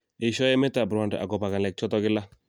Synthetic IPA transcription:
ɪ˨ʃɔ˦ɛ˦mɛ˦ta˨bɾwa˨nda̰˨ɡɔ˨pa˨ka˨lɛ˨k̚t͡ʃɔ˦tɔ˦kɪ˦la˦

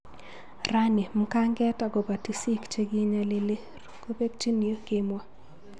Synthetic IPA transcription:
ra˦ni˨m̩˦ka˦ŋɡɛ˦ta˨ɡɔ˨ba˨ti˨si˦kt͡ʃe˦ɡi˦ɲa˨lɪ˦le˦ | ɾko˦be˦k̚t͡ʃi˦ni˨o˦kɪ˦mwa˦

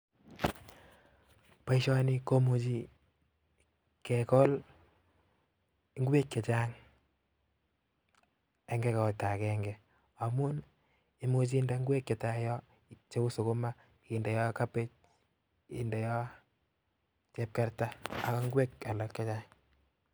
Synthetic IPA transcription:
pa˦iʃɔ˦ni˦ko˦mu˨t͡ʃi˦ | kɛ˨kɔ˦l | i˦ŋɡe˦kːɛ˨t͡ʃa˦ŋ | ɛ˦ŋɡɛ˦ka˨ta˨kɛŋɡɛ | a˨mu˦n | i˨mu˦t͡ʃ̬i˦nda˦ŋɡwe˦kːɛ˨ta˦jɔ˦ | t͡ʃe˦ku˦so˨ko˦ma˦ | i˨ndɛ˨jɔ˦ka˦pe˦t͡ʃ̚ | ḭ˨ndɛ˨jɔ˦ | t͡ʃɛ˦p̚kɛ˦ɾtaː˦˨kɔ˦ŋɡwe˦ka˨lɔ˨kːɛ˦t͡ʃa˦ŋ

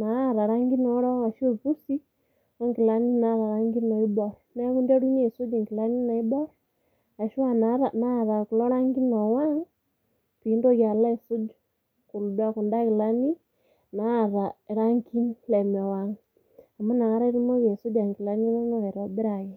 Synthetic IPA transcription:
na˨˦˨ɾa˨ɾa˦ŋɡi˦nɔ˨˦ɾɔ˦a˨ʃo˦˨pu˦si˦ | o˦ŋki˨la˦ni˦na˨˦ɾa˨ɾa˦ŋɡi˦nɔ˨i˦bɔ˦ɾɔne˦ɣu˦nde˦ɾu˦ɲe˦˨su˦d͡ʒi˨ŋki˨la˦ni˦na˨i˦bɔ˦ɾɔ | a˨ʃu˦a˦na˨na˦˨ɾa˨ku˨lɔ˦ɾa˦ŋɡi˦nɔ˨wa˦ŋ | pi˨ndo˦ɣja˨la˦e˨su˦d͡ʒu | ku˨lu˨da˦ku˨nda˦ki˨la˦ni˦ | na˨˦˨ɾa˨ɾa˦ŋki˦nlɛ˨me˨wa˨ŋ | a˨ma˦na˨ŋa˦ɾa˦i˦ɾi˦mo˦βe˨so˦d͡ʒa˨ŋki˨la˦ni˦no˦no˦e˨ɾo˨bi˦ɾa˨je˨

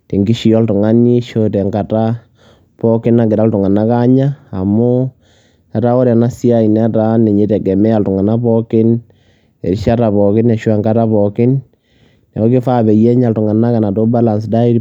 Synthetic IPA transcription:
ti˨ŋɡi˦ʃi˨ɔ˦ltʊ˨ŋa˦ni˦ʃotɛ˨ŋɡa˨ta˦ | pɔkɪ˦na˨ɡɪ˨ɾa˦ltʊ˨ŋa˨na˦ka˦ɲaː˦˨mʊ˦ | a˨ta˦o˦ɾɛ˨na˦si˦a˦i˨nɛ˦ta˦ne˨ɲi˨˦tɛ˨kɛ˨mɛ˦a˨ltʊ˨ŋa˨na˦pɔ˦kɪ˦n | ḛ˨ɾʃa˦ta˨pɔ˨kɪ˦nɛ˨ʃwa˦˨ŋɡa˦ta˦pɔ˨kɪ˦n | nɛ˨ɔ˦kɪ˦fa˦bɛ˨jɛ˦ɲa˨ltʊ˨ŋa˨na˦ka˨na˨to˦ba˦la˨nsda˦i˦

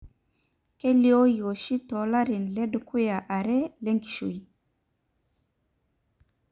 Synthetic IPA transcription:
ke˦li˦o˦jo˨ʃi˦tɔ˨la˦ɾi˨nlɛ˦dku˦ja˨ʔa˨ɾɛ˦le˦ŋki̥˨ʃo̰˨i˨

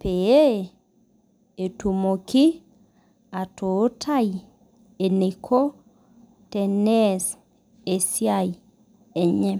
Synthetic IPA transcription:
pe˨e˦˨ | e˨tu˨mo˨kɪ˦ | a˨to˨˦tʰa˦˨i˨ | e˨ne˨kʰo˦ | tɛ˨nɛ˦s | e˨sja˦˨i˨ | e˨ɲɛ˦

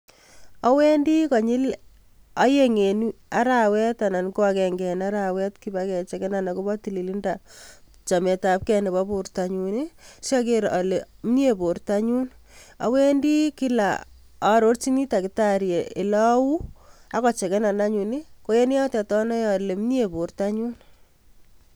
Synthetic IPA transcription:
ɔ˦wɛ˦ndi˦kɔ˨ɲɪ˦l | a˦je˦ŋe˨nu˦a̰˨˦ɾa˨wɛ˦ta˨na˨nko˦akɛ˨ŋɡɛ˨na˦ɾa˨wɛ˦tki˦bakɛ˨t͡ʃɛ˨kɛ˦na˨na˨ko˦bɔ˦ti˨li˨li˦nda˨ | t͡ʃa˨mɛ˨ta˨p̚kɛ˨ne˨bɔ˦po˨ɾta˨ɲu˨ni˦sa˦k̬e˦ɾa˨le˨m˦n˦e˨bo˨ɾta˦ɲu˦n | a̰˦we˦ndi˦ki˦la̰˨ | a˨ɾo˦ɾt͡ʃi˦ni˦ta˨kɪ˨ta˦ɾje˨ɪ˨lɔ˦wu˦a˦kɔ˨t͡ʃɛ˨kɛ˦na˨na˦ɲu˨ni˦ko˦je˦ni˦ja˦tɛ˨tɔ˦nɔ˦ja˨le˨m˦nje˨bo˨ɾta˦ɲu˦n

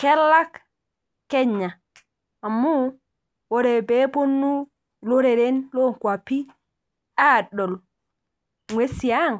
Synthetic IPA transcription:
kɛ˦lːa˦k | kɛ˦ɲːaː˨ | mːu˦ | wɔ˦ɾɛ˨bɛ˦bo˦nːu˦ | lo˦ɾɛ˨ɾɛ˦nlo˦kwa˨pi˦ | a˦ɗɔ˨l | ŋwe˦si˨jaŋ

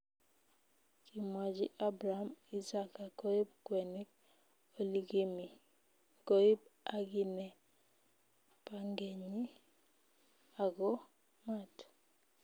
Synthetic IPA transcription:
kimwa˨d͡ʒi˦ʔa˦bɾaami˦sa˦ka˨ko˦i˦b̚kwɛ˨ni˦k̚ | o˦liɡi˦mi˨ | ko˦i˦b̚a˦ɡi˦nɛ˨ | pa˦ŋɡe˨ɲi˦ | a˨ɡɔ˦ | mat

